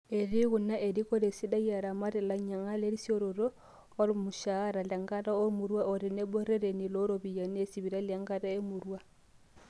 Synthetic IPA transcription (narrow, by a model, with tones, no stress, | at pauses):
e˨ɾi˦ɣu˨na˦ʔe˨ɾi˦ko˦ɾe˨si˦da˦i˦a˨ɾa˨ma˦ɾɛ˨la˨ɲa˨ŋa˦le˦ɾi˦sjo˦ɾo˨ɾoː˦ | lmu˨ʃa˦ɾa˨la˨ŋɡa˦ta˦o˦mu˨ɾwa˦o˨ɾi˨ne˦bɔ˦ɾe˦ɾe˨ni˨lo˦ɾo˦bi˨ja˨ne˦si˨βi˨ɾa˦lja˨ŋɡa˦ta˦e˦mu˨ɾua˦